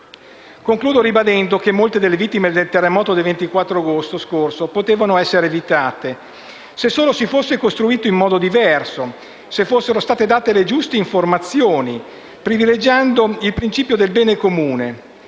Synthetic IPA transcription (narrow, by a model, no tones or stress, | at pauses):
koŋkluːd̪oɾibad̪ɛnd̪okemːolt̪ed̪elːevit̪ːimed̪elt̪erːemɔːt̪od̪elvent̪ikwat̪ːɾoaɡost̪oskorsopot̪eːvanoɛsːeɾeːvit̪aːt̪e | sesːoːlosifosːekost̪ɾuiːt̪oimːɔːd̪od̪ivɛrso | sefːosːeɾost̪aːt̪ed̪aːt̪eled͡ʒust̪eiɱformat̪sːjoːni | pɾiviled͡ʒand̪oilpɾint͡ʃiːpjod̪elbɛːnekomuːne